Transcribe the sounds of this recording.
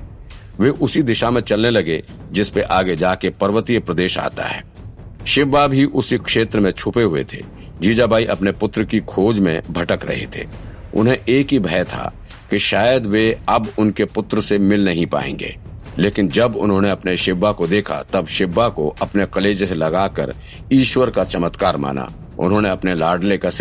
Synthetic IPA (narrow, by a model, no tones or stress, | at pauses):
ʋeʔʊsid̪ɪʃamẽt͡ʃɐlnelɐɡe | d͡ʒɪspeʔaːɡed͡ʒaːkepɐɾʋət̪ijpɾɐd̪eːʃa̰ːt̪a̰ɦɛ̰ː | ʃɪbːabʱiʔʊsikʃeːt̪ɾəmẽt͡ʃʰʊpeɦʊḛt̪ʰḛː | d͡ʒiːd͡ʒabaːiʔɐpnepʊt̪ɾəkikʰoːd͡ʒmḛ̃bʱɐʈəkɾɐ̰ɦḛt̪ʰḛːʊ̰nɦẽʔeːkɦibʱɛːt̪ʰa̰ | keʃaːjəd̪ʋeɐbʊnkepʊt̪ɾəsemɪlnɐɦĩpa̰ːḛ̃ːŋɡḛːleːkɪnd͡ʒɐbʊ̰nɦõːneɐpneʃɪbːakod̪eːkʰa̰t̪ɐbʃɪbːakoɐpnekɐleːd͡ʒselɐɡaːkə̰ɾ | iːʃwəɾkat͡ʃɐmət̪kaːɾma̰ːna̰ | ʊ̰nɦõːneɐpnelaːɖlekas